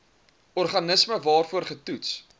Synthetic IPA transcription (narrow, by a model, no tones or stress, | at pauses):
ɔrχɐnəsməvɑːrfuərχətuts